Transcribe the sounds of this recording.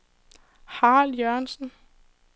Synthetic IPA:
hɑ̈ːljøɐnsn̩

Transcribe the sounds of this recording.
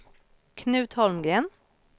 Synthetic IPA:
kʰnʉːt̪hɔlmɡɾeːn

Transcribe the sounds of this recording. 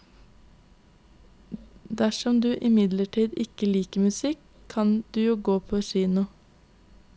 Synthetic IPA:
d̪æʃɔmd̪ʉːʔɪmɪd̪ləʈʰiːd̪ɪkəliːkəmʉsɪkʰɑnd̪̥ʉːjuːɡoːpʰoːʃiːnʊ

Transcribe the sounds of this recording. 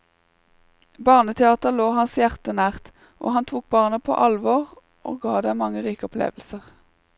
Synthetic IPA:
bɑːʁnət̪ʰɛɑːt̪əʁloːhɑnsjæʁt̪ənæːʁt̪ | ʔo̰ːhɑnt̪ʰʁuːk̚bɑːʁnəpʰo̰ːʔɑlʋɔːʁ | ʔo̰ːɡɑːd̪eːmɑŋəʁiːkəɔpʰlḛːʋl̩səʁ

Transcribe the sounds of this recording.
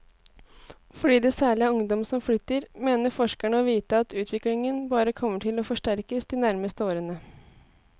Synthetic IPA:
fɔɖiːd̪eːsæːɭɪəʊŋd̪ɔmsɔmflʏt̪ːəɾmeːnəɾfɔʂkæɳəɔʋiːt̪əɑt̪ʰʉːt̪ʰʋɪklɪŋənbɑːɾəkʰɔmːəʈʰɪlɔːfɔʂʈæɾkəsd̪ɪːnæɾməst̪əoːɾənə

